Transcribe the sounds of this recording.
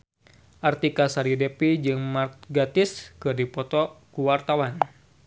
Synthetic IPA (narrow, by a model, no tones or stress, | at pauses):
ʔart̪ikasaɾidepid͡ʒɨŋmarɡat̪ɪskɨrdipɔt̪ɔkuwart̪awan